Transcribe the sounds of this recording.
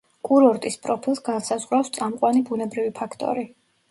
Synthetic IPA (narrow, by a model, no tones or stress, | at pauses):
kʼuɾɔɾt̪ʼispʼɾɔpʰilˠsɡansazʁɾawfst̪sʼamqʼwanibunɛbɾivipʰakʰt̪ʼɔ̰ɾi